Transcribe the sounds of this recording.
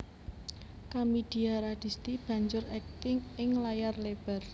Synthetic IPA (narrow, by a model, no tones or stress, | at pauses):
kamid̪̥i̤aɾad̪̥i̤st̪ib̥ä̤ɲd͡ʒʊɾɛk̚t̪ɪŋɪŋlajarleb̥ɛ̤r